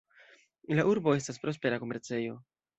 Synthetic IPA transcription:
laʔuɾbo̞e̞staspɾo̞spe̞ɾako̞me̞ɾt͡se̞jo̞

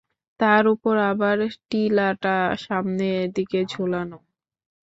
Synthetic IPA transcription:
t̪aɾupoɾabaɾʈilaʈaʃamned̪iked͡ʑʱolano

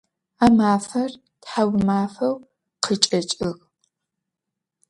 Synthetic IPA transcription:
aːmaːfɐr | tħawmaːfɐw | qʰət͡ʃʼɐt͡ʃʼɪɣ

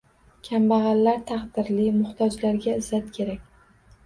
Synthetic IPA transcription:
kʲʰambaʁɑlːaɾt̪ʰɑqd̪ɪɾlimʊht̪ʰɒd͡ʒlaɾɡʲaɪzat̪kʲʰe̞ɾakʲ

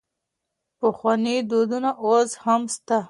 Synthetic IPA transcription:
pəxwanid̪od̪unaʔozhamst̪a

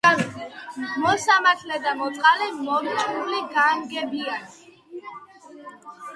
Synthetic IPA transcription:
mɔsamaɾt̪ʰlɛd̪amɔt̪ʼqʼalimɔuliɡaːŋɡɛbiani

